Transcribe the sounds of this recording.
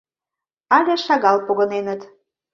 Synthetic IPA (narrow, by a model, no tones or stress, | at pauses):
ɑlʲeʃɑɣɑlpoɣɤ̆nenət̪